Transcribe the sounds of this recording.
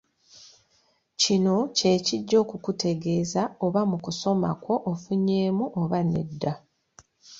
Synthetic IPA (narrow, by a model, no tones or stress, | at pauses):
cino̞ce̞ːciɟːo̞ːkukute̞ɡe̞ːzaoβamukuso̞ma̰ko̞ʔofuɲːe̞ːmuʔoβane̞̰dːa